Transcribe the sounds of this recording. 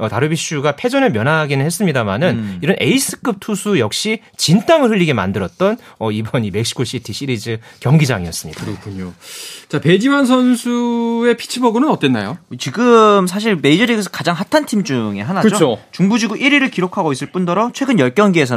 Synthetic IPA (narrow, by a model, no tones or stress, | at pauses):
ʌtaɾɯbiɕ͈ʰuɡapʰe̞d͡ʑʌnɯɭmjʌnaːɡinɯnhes͈ɯmɲidamanɯniɾʌnʔe̞is͈ʰɯ̥k͈ɯp̚tʰusʰujʌk̚ɕ͈i | t͡ɕint͈aŋɯɭɸɯʎːiɡema̰ndɯɾʌt̚t͈ʌnʌibʌnime̞k̚ɕ͈i̥kʰoɕ͈ʰitʰiɕʰiɾid͡ʑɯkjʌŋɡid͡ʑaŋiʌs͈ɯmɲidaɯɾʌkʰːuɲot͡ɕape̞d͡ʑimansʰʌnsʰue̞pʰi̥t͡ɕʰibʌɡɯnɯnʌt͈e̞nːa̰jot͡ɕiɡɯms̬ʰaɕ̬ʰiɭme̞id͡ʑʌɾiɡes̬ʰʌ̥kad͡ʑaŋɦatʰantʰimd͡ʑuŋe̞̰ɦanaɯd͡ʑot͡ɕʰot͡ɕuŋbud͡ʑiɡuʔiɾiɾɯɭkiɾokʰaɡois͈ɯɭp͈undʌɾʌt͡ɕʰwe̞ɡɯnjʌɭk͈jʌnɡiesʰʌ